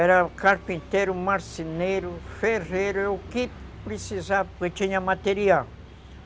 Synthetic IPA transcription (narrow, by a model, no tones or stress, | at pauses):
ɛɾakaɾpĩnt̪eɾʊmaɾsineɾufereɾoki | pɾisizaket͡ʃiɲamat̪eɾial